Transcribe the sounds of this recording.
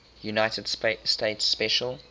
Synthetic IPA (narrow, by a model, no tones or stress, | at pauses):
junaɪtəd̥ssteɪtspɛʃəl